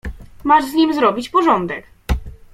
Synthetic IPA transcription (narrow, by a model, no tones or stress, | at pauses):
maʐzɲimʲzɾɔbʲit͡ɕpɔʐɔnd̪ɛk